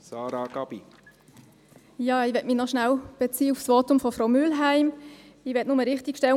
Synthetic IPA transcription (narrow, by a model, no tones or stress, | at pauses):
sɑːɾɑɡ̥ɑb̥i | jɑːɪʋɛtmɪnɔʃnæwb̥ɛt͡siːəufsʋoːtʊmfɔfɾowmylɦæɪmɪʋɛtnʊməɾɪχtikʃtɛl